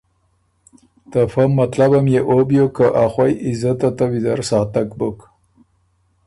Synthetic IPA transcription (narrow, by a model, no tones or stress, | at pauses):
t̪afamːat̪labamjeʔobjokəʔaxwajizat̪at̪awid̪aɾsɑt̪akbok